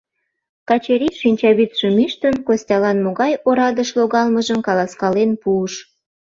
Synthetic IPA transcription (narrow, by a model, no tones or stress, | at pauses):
kɑt͡ɕeɾʲiʃinʲt͡ɕɑβit̪ʃəmiʃt̪ənkosʲtʲɑlɑnmoɣɑjoɾɑd̪əʃloɣɑlməʒəmkɑlɑskɑlenpuəʃ